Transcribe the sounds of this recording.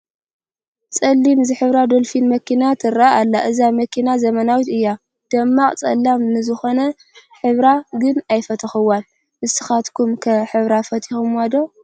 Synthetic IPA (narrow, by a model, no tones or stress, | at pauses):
t͡sʼɐlːimzɨħɨβɾad̪olfinmɐkʰinat̪ʰɨɾaʔalːaʔɨzamɐkʰinazɐmɐnawit̪ɨjːa | d̪̥ɐmːakʼt͡sʼɐ̰lːamnɨzɨxo̞nɐ | ħɨβɾaɡɨnajfɐt̪ʰɐxɨwal | ʔɨsɨ̥xat̪kʰumkʰɐħɨβɾafɐt̪ʰixumwad̪o